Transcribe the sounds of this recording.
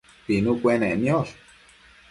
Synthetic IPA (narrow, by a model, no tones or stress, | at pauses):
pinũkʷenẽenjoɾ